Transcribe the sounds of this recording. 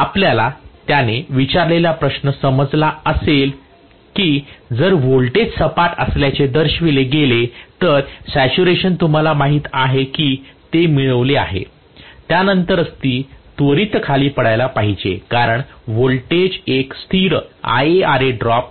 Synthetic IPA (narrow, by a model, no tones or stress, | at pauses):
apljalat̪janeʋit͡ɕaɾleljapɾəɕnəsəməd͡zlaəsel | kiːd͡zəɾʋolʈed͡zsəpaʈə̰sljat͡ɕed̪əɾɕʋileɡelet̪əɾsæt͡ɕuɾeɕənt̪um̤alamaɦiːt̪aɦekiːt̪emiɭəʋlea̰ɦḛ | t̪janənt̪əɾəst̪iːt̪ʋəɾit̪kʰaliːpəɽajlapaɦid͡ʑḛkaɾəɳʋolʈed͡ʑekst̪ʰiɾa̰jeaɾeɖɾɔp̚